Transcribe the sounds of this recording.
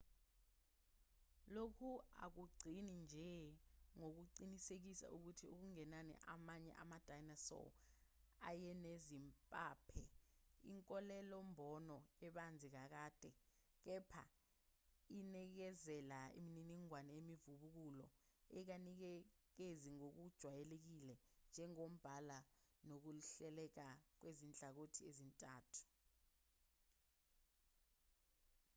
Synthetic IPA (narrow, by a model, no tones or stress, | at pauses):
lokʰua̰k̬uɡ͡ǀʱinind͡ʒʱɛŋok̬uǀinisek̬isa̰ʔuk̬utʰiuk̬uŋɛnanɛ̰ʔamaɲɛ̰ʔa̰mad̥ʱajnasɔ̰ | ajɛnezimpʼaːpʰɛḭŋkʼɔlɛlɔmbʱɔnɔɛɓand͡zʱik̬ak̬aːd̥ʱɛ | k̬ɛpʰa̰ | inik̬ɛzɛlaḭmininiŋwanɛemivuɓuk̬ulɔ̰ | ɛk̬anik̬ɛ | k̬eziŋok̬ud̥ʒ̥ʱwajɛlek̬ilɛnd͡ʒʱɛŋom̩b̥ʱalanok̬uɬɛlɛk̬ak̬wezint͡ɬʼak̬otʰiezintʼaːtʰu̥